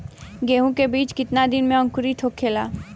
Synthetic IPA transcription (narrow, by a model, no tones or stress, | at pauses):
ɡeːɦõkebiːt͡ʃkɪt̪nad̪ɪnmẽə̃ŋkʊɾit̪ʰoːkʰːeːlaː